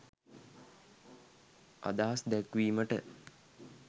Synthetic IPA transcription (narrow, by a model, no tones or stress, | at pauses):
ʔa̰d̪aɦasd̪ækʋiːməʈə